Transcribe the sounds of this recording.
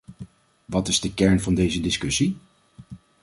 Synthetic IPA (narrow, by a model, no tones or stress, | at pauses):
ʋɑtɪzdəkɛɹnvɑndejzədɪskɵsi